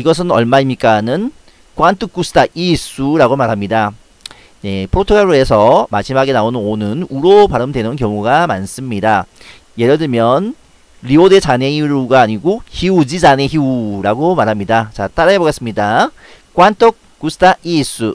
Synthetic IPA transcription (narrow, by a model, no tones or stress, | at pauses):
iɡʌs̬ʰɯnʌɭmaimɲik͈anɯn | kwantʰɯk͈usʰɯ̥tʰaʔiːs͈uɾaɡomaɾɦamɲida | ne̞pʰɯɾotʰokʰaɾue̞sʰʌmaɕʰimaɡe̞naonɯnonɯnuɾopaɾɯmdwe̞nɯnkjʌŋuɡamans͈ɯmɲida | je̞ɾʌdɯɭmjʌn | ɾiodet͡ɕaneiɾuɡaːɲiɡoçiud͡ʑid͡ʑaneçiuɾaɡomaɾɦamɲidat͡ɕat͈aɾaeboɡes͈ɯmɲida | k͈wantʰʌk̚ | k͈usʰɯ̥tʰaʔiːs͈u